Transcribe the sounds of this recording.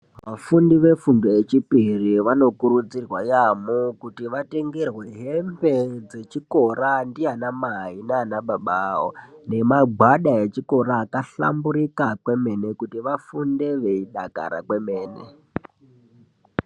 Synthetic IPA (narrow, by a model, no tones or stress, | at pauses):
ʋafundiʋe̞fundoet͡ʃipiriʋano̞kuɾud͡zirwajamukutiʋate̞ŋɡerwe̞ɦe̞mbe̞d͡ze̞t͡ʃiko̞randijanamaɦineːnaɓaɓaɦo̰ne̞maɡʱwaɗaet͡ʃiko̞ɾaːkaɬa̰mbuɾikakwe̞me̞ne̞kutiʋafunde̞ʋe̞iɗa̰ka̰ɾa̰kwe̞me̞ːnḛ